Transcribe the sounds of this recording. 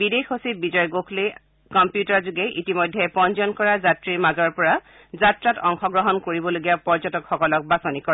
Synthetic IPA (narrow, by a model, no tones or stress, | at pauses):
bidexosit̚bizɔjɡokʰle | kɔmpjutaɹzuɡɛʔitimojdʱɛpɔnd͡ʒɔnkɔɹazatɹiɹmazɔɹpɔɹa | zatɹatɔŋxɔɡɹɔɦɔnkoɹibɔloɡiapɔɹzɔtɔkxɔkɔlɔk̚basɔnikɔɹ